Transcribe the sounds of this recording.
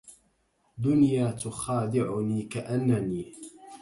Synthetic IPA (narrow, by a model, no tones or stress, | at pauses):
d̪ʊnjaːt̪ʊxaːd̪ɪʕʊniːkaʔanːaniː